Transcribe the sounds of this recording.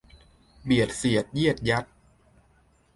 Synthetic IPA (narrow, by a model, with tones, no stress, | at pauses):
bi˨˩ət̪̚si˨˩ət̪̚ji˥˩ət̪̚ja˦˥t̪̚